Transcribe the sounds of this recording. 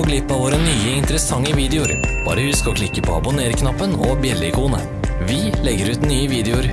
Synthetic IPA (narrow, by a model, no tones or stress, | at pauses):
ɔɡlɪpːɑʋoːɾənyːəɪnt̪əɾəsɑŋːəʋiːd̪ɛʊɾb̥ɑ̰ːɾəhʉskɔkʰlɪkːəpʰɔɑ̰bʊneːɾkʰnɑpːənɔbjɛlːəɪkʰuːnə̰ | ʋɪlɛɡːəɾʉːt̪nyːəʋiːd̪ɛʊɾ